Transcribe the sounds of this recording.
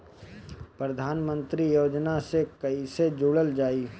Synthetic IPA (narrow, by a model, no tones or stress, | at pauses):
pɾəd̪ʱaːnmə̃nt̪ɾijoːd͡ʒnasekɐised͡ʒuːɽəld͡ʒaːi